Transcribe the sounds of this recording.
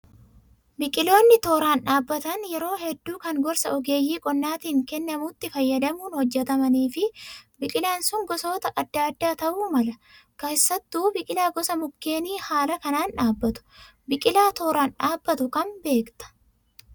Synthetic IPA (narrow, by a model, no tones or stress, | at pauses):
bɪkʼɪlo̞ːnːɪt̪oːɾaːnᶑaːbːɐt̪ɐnjɛɾo̞ːhɛd̪ːuːkɐŋɡɔɾsɐɔɡe̞ːjːiːkʼɔnːaːt̪iːŋkɛnːɐmut̪ːɪfɐjːɐd̪ɐmuːnhɔd͡ʒːɛt̪ɐmɐniːfɪbɪkʼɪlaːnsʊŋɡɔso̞ːt̪ɐʔɐd̪ːaːd̪ːaːt̪ɐʔuːmɐlɐkeːsːɐt̪ːuːbɪkʼɪlaːɡɔsɐmʊkːeːniːhaːlɐkɐnaːnᶑaːbːɐt̪ʊ̥ | bɪkʼɪlaːt̪oːɾaːnᶑaːbːɐt̪ʊkɐnbe̞ːkt̪ɐ̥